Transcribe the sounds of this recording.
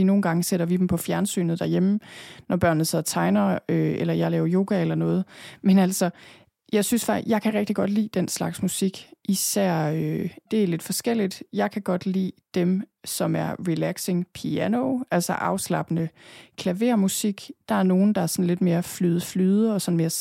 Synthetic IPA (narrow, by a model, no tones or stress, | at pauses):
ino̝ːn̩ɡ̥ɑ̈ŋəseɾ̥ɐʋid̥m̩pʰɒ̽fjæɐnsy̰ːnð̩ˠd̥æɐjemnɒb̥ɶɐnð̩seð̰ˠɐt͡sʰɑ̈ɪnɐøelɐjɑ̈ɪlɛːʊɐjo̝ːɡ̥æelɐnɔ̽ːð̞̩ˠmenæl̰sɒ | jɑ̈ɪsynsfɑ̈jɑ̈ɪkʰæʁɛɡ̥d̥iɡ̥ɒ̽d̥lḭːd̥enslɑ̈ɡ̥smusiɡ̥ʔisæɐ̰ød̥e̝æɐle̝d̥fɒ̽sɡ̥el̰id̥jɑ̈ɪkʰæɡ̥ɒ̽d̥lḭːd̥emsɒ̽mæɐʁilæɡ̥se̝ŋpʰiænoʔælsɐʔɑ̈ʊslɑ̈b̥ənəkʰlæʋe̝ɐmusiɡ̥d̥ɑ̈æɐno̝ːn̩d̥ɑ̈æɐsɒ̽n̩le̝d̥me̝ːɐflyðˠflyːð̞ˠəɒ̽sɒ̽nme̝ːɐ